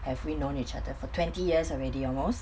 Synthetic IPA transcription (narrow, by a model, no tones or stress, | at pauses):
hɛvwinõnit͡ʃadəfɔtʰwɛ̃ntijiəsɔɹɛdiɔlmos